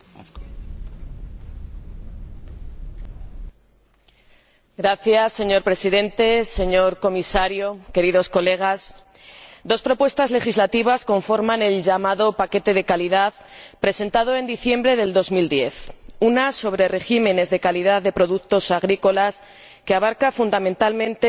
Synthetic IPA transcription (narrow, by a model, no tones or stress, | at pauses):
ɡɾaθjasːe̞ɲo̞ɾpɾe̞siðẽ̞nt̪e̞se̞ɲo̞ɾko̞misaɾjo̞ke̞ɾiðo̞sko̞le̞ɣ̞as | d̪o̞spɾo̞pwe̞st̪azle̞xizlat̪iβ̞asko̞ɱfo̞ɾmãne̞lʝamaðo̞pake̞t̪e̞ð̞e̞kaliðaðpɾe̞se̞nt̪að̞o̞e̞nd̪iθje̞mbɾe̞ðe̞ld̪o̞zmild̪je̞θunaso̞βɾe̞re̞ximẽ̞ne̞zðekaliðaððe̞pɾo̞ðukt̪o̞saɣ̞ɾiko̞las | keaβ̞aɾkafund̪amẽnt̪almẽ̞nt̪e